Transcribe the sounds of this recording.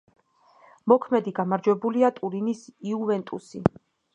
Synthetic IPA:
mɔkʰmɛd̪iɡamaɾd͡ʒwɛbuliat̪ʼuɾinisiuvɛnt̪ʼṵsi

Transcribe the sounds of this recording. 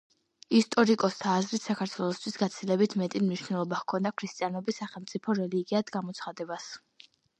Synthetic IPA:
ist̪ʼɔɾikʼɔst̪ʰaːzɾit̪sakʰaɾt̪ʰwɛlˠɔst̪ʰwisɡat̪sʰilɛbit̪ʰmɛt̪ʼimniʃwnɛlˠɔbakʰɔnd̪akʰɾist̪ʼijanɔbisaχɛlˠmt̪sʼipʰɔɾɛliɡiad̪ɡamɔt̪sʰχad̪ɛbas

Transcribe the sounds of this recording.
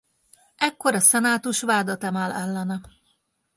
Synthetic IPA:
ɛkːo̞ɾɒsɛnaːt̪uʃʋaːd̪ɒt̪ɛmaːlʔɛlːɛnɛ

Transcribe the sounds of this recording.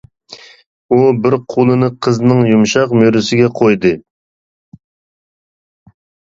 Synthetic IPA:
ubɪɾqʰolˠɨnɨqʰəznɨŋjumʃɑqmøɾɪsɪɡʲɛqʰojd̪ɨ

